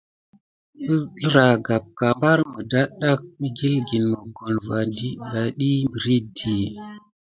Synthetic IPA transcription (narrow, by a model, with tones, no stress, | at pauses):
ɓə˦lɾa˨ɡa˨p̚ka˨mba˦ɾmə˨da˦ɗa˦k̚ɗi˦ɡi˦lɡi˨nmə˨ɡo˨nva˨ndi˦da˨ɗi˦mbə˨ɾi˦di˨